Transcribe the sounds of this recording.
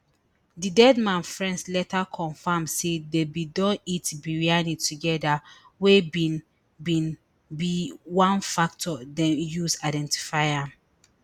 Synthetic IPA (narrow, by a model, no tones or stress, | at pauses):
didɛdmãnfɹɛ̃ndslɛtʰakʰɔ̃ɱfamsedebidɔ̃nitbiɹianituɡɛda | webi | bĩn | biwãnfak̚tʰɔdɛ̃njusaɪdɛ̃nti̥faɪãm